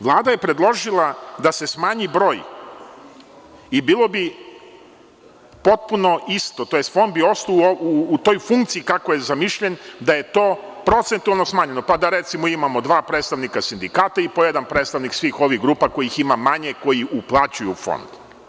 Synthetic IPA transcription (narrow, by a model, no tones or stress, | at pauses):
ʋlˠaːd̪aje̞pɾe̞d̪lˠo̞ʒilˠad̪ase̞smaːɲibɾo̞ːj | ibiːlo̞bi | po̞t̪̚puno̞ist̪o̞t̪o̞jest̪fo̞nd̪̚bio̞st̪ouuːt̪o̞jfuŋkt̪siikako̞jezamiʃʎe̞nd̪aje̞t̪o̞ːpɾo̞t̪se̞nt̪ualˠno̞smaːɲe̞no̞pad̪aɾe̞t̪simoimamo̞d̪ʋaːpɾeːt̪st̪aʋnikasind̪ikaːt̪aipojed̪anpɾet̪st̪aʋniksʋiːxo̞ʋiɣɡɾuːpako̞jiiximamaɲeko̞jiuplˠat͡ɕujufo̰nd̪̥